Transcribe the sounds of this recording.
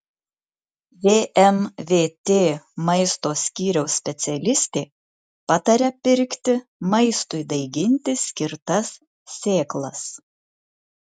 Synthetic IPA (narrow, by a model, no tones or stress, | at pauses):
ʋʲeːʔɛmʋʲeːt̪ʲeːmɐɪst̪oːsʲkʲiːɾʲɛʊsʲpʲɛt̪sʲɛlʲɪsʲt̪ʲeː | pɑt̪ɐɾʲɛpʲɪɾʲkʲt̪ʲɪmɐɪst̪ʊɪd̪ɐɪɡʲɪnʲt̪ʲɪsʲkʲɪɾt̪ɐsːʲ | eːklˠɐs